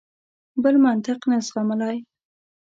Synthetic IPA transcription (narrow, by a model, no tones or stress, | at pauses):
bəlmant̪ɪqnesʁɑməlaj